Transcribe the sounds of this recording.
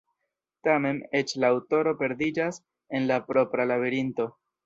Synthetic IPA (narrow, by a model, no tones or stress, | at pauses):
tame̞ne̞t͡ʃlaːwto̞ɾo̞pe̞ɾd̪id͡ʒas | e̞nlapɾo̞pɾalaβeɾinto̞